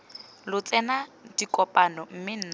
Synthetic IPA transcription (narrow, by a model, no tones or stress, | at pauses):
lʊt͡sʼɛnadikʼɔpʼanɔm̩mɪn̩ːna